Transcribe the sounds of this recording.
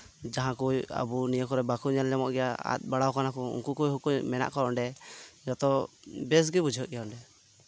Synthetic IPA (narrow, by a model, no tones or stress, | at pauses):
d͡ʒaɦãkuja̰bunijəkɔɾɛbakuɲalːɛmɔʔɡɛjaa̰t̪̚ˀbaɽawkanakuṵŋkukujɦukumɛna̰ʔkɔɾɔɳɖɛd͡ʒɔt̪ɔbɛs̬ɡibud͡ʒʱəʔɡɛjaɔɳɖɛ